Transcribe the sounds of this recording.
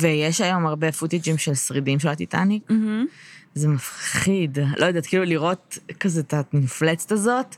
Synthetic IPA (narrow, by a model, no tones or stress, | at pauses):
vejeʃajo̞maʁbe̞fut̪id͡ʒimʃelsʁidimʃelat̪ita̰nik̩ | zemafχid̪lojod̪aːtkiːluliʁo̞t̚kazet̪amiflet͡se̥t̪azo̞t̪